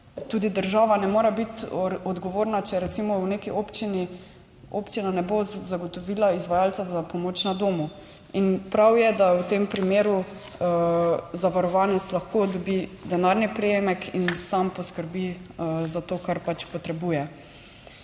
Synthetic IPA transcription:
t̪uːd̪id̪əɾʒaːʋanɛmoːɾabit̪ɔd̪ɡɔʋoːɾnat͡ʃɛɾɛt̪simɔwnekiopt͡ʃini | opt͡ʃinanɛbozaɡɔt̪ɔʋiːlaizʋajalt̪sazapɔmoːt͡ʃnad̪oːmu | inpɾawjɛd̪awt̪empɾimeːɾu | zaʋaɾɔʋaːnɛt̪slaxkod̪ɔbid̪ɛnaɾnipɾɛjemɛkʰinsampɔskəɾbizat̪oːkaɾpat͡ʃpɔt̪ɾɛbuːjɛ

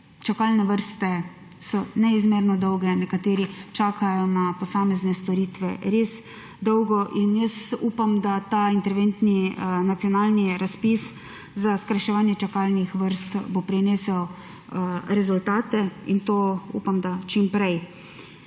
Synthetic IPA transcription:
t͡ʃakaːlnɛʋəɾst̪ɛ | sɔnɛizmeːɾnɔd̪ɔwɡɛnɛkat̪eːɾit͡ʃaːkʰajɔnapɔsaːmɛznɛst̪ɔɾiːt̪ʋɛɾeːs | d̪ɔwɡɔʔinjəsupamd̪at̪aint̪ɛɾʋent̪ninat̪sijɔnaːlniɾaspis | zaskɾaʃɛʋaːnjɛt͡ʃakaːlnixʋəɾst̪bopɾineːsɛw | ɾɛzult̪aːt̪ɛint̪oṵːpamd̪at͡ʃimpɾɛj

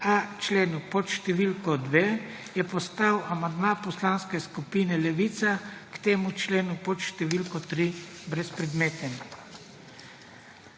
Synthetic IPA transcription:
at͡ʃleːnupɔt̪ʃt̪ɛʋilkɔd̪ʋeː | jɛpɔst̪awamand̪mãpɔslaːnskɛskupiːnɛlɛʋiːt̪sakt̪eːmut͡ʃleːnupɔt̪ʃt̪ɛʋilkɔt̪ɾi | bɾɛspɾɛd̪meːt̪ɛn

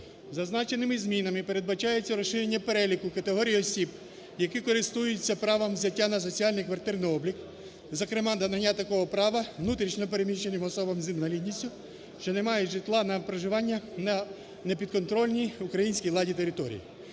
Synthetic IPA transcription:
zɐznɑt͡ʃe̞nɪmɪzʲmʲinɐmɪpeɾed̪bɐt͡ʃɑjet͡sʲːɐɾɔʃɪɾʲenʲːɐpeɾɛlʲikʊkɐt̪eɦɔɾʲijiɔsʲib | jɐkɪkɔɾɪst̪ujɪt͡sʲːɐpɾɑʋɐmzʲɐtʲːanɐs̬ɔt͡sʲiɑlʲnɪjkʋɐrt̪ɪrnɪjɔblʲik | zɐkɾemɑd̪ɐnɐnʲːat̪ɐkɔɦɔpɾɑʋɐʋnut̪ɾʲit͡ʃnʲɔp̬e̞ɾemʲiʃt͡ʃenɪmɔsɔbɐmzʲinʋɐlʲid̪ʲnʲisʲtʲʊ | ʃt͡ʃɔnemɑjeʒɪt̪lˠɑnɐpɾɐʒɪʋɑnʲːɐnɐ | nepʲid̪kɔnt̪ɾɔlʲnʲijukɾɐjinsʲkʲijlˠɑdʲit̪e̞ɾɪt̪ɔɾʲḭjḭ

